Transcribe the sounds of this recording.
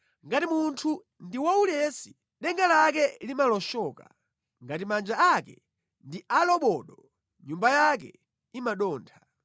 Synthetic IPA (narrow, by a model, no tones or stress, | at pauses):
ŋɡatimuntʰu | ndiwaulɛsi̥ | ɗɛŋɡalak̬ɛlimalɔʃɔːka̰ | ŋɡatimand͡ʒaakɛ | ndialɔɓɔːɗɔ | ɲumbajak̬ɛ̰ | imaɗɔːntʰḁ